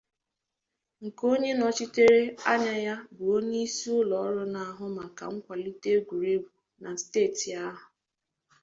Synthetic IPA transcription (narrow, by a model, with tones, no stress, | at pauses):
ŋ̩˨ko˦ɲe˦nɔ˨t͡ʃi˦te˦ɾe˦a˦ɲa˦ja˦bʊ˨o˦ni˦si˦ʊ˦lɔ˨ɔ˦ɾʊ˦na˨a˨ɦʊ˦ma˨ka̰˨ŋ̩˦kʷa˨li˦te˦ɡʷu˨ɾe˦ɡu˨ | na˨steː˦˨ti˨a˦ɦʊ˨